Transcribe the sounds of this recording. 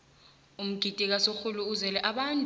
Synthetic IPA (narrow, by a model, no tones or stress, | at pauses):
um̩ɡ̥ʱitʼik̬asoxuluːzɛlɛʔaɓantʼ